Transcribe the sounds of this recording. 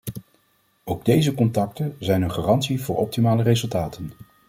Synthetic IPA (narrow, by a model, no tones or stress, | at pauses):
owɡdejzəkɔntɑk̚tənzɛjnənχaːrɑntsivʊːɹɔp̚timaːlərejzɵlˠtaːtən